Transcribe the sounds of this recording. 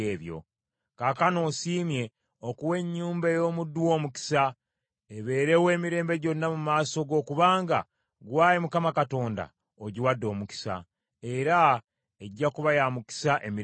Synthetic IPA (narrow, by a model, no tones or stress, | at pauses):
eːβjo̞̰ | kaːkano̞ːsiːmje̞ | okuwe̞ɲːuːmbejo̞ːmudːwo̞ːmuki̥sa | eβe̞ːɾe̞we̞ːmiɾe̞ːmbe̞ɟo̞nːamumaːso̞ɡo̞ːkuβaːŋɡa̰ | ɡwaːjemukamakato̞ːnda̰ | oɟiwadːo̞ːmuki̥sa̰ | e̞ɾa | eɟːakuβajamuki̥saʔemi